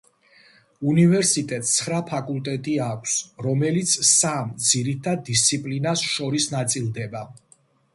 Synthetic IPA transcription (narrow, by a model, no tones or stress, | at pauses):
univɛɾsit̪ʼɛt̪ʼsʰχɾapʰakʼulˠt̪ʼɛt̪ʼiakʷʰsɾɔmɛlit̪sʰsamd̪ziɾit̪ʰad̪̚ːist̪sʰipʼlinasʃɔɾisnat̪sʼilˠd̪ɛba